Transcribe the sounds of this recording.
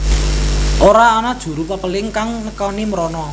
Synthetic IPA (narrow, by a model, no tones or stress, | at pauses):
ʔoɾaɔnad̥ʒ̥ṳɾupəpəlɪŋkaŋnəkɔniməɾɔnɔ